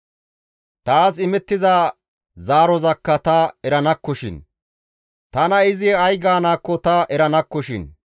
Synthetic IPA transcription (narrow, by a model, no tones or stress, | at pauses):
t̪aːsɪmɛt̪ːɪzaː | zaːɾɔzɐkːɐt̪ɐɛɾɐnɐkːɔʃɪ̰n | t̪ɐnɐɪzɪɐjɡaːnaːkːɔt̪ɐʔɛɾɐnɐkːɔʃɪ̰n